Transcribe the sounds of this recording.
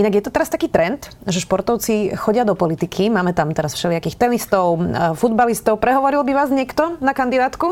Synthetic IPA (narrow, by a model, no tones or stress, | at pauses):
ʔinaɡjɛt̪ɔt̪ɛɾast̪akiːt̪ɾɛnt̪ | ʒɛʃpɔɾt̪ɔʊt͡sixɔɟɪad̪ɔpɔlit̪ikʰimaːmɛt̪amt̪ɛɾasfʃɛlɪakiːxt̪ɛnist̪ɔʊfud̪balist̪ɔʊpɾɛɦɔʋɔɾilbiʋaːzɲɛkt̪ɔnakand̪id̪aːt̪ku